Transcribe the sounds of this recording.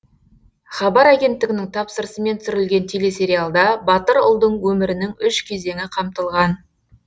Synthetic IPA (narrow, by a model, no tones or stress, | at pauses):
χɑbɑɾæɡʲe̞nt̪ːɪɡʲɪnɪŋt̪ʰɑpsəɾsəme̞nt̪sʏɾɪlɡʲe̞nt̪ʰele̞se̞ɾijalˠd̪ɑbɑt̪əɾʊ̰lˠd̪əɴwɵmɪɾɪnɪŋʏʃkʲʰe̞ze̞ŋɪqʰɑmt̪əlˠʁɑn